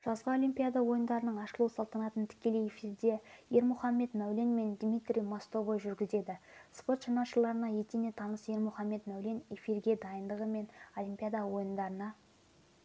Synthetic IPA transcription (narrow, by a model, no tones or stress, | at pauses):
ʒ̥ɑzʁəo̞lʲimpʲijad̪ɑwo̞jənd̪ɑɾənəɴɑʃəlˠuwsɑlˠt̪ɑnɑt̪ənt̪ʰɪ̥kʲe̞lejefiɾd̪e̞je̞ɾmʊχɑmːe̞t̪mæwle̞nme̞nd̪mʲit̪rʲijmost̪ovojʒʏɾɡʲɪze̞d̪ɪspo̞t̪ʃɑnɑʃəlˠɑɾənɑje̞t̪ene̞t̪ʰɑnəsje̞ɾmʊχɑmːe̞t̪mæwle̞nefirɡʲe̞d̪ɑjənd̪əʁəme̞no̞lʲimpʲijad̪ɑwo̞jənd̪ɑɾənɑ